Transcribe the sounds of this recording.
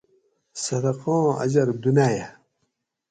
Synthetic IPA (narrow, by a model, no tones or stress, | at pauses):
sɐd̪ɐqɔ̃ːɐ̰d͡ʑɐɾd̪unaja